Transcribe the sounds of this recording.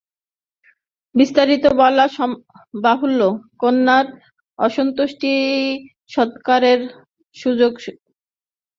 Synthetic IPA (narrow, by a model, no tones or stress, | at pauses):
bist̪aɾit̪obɔlaʃɔ | baɦulːokonːaɾ | ɔʃont̪oʃʈi | ʃɔt̪kaɾeɾ | ʃud͡ʑoɡ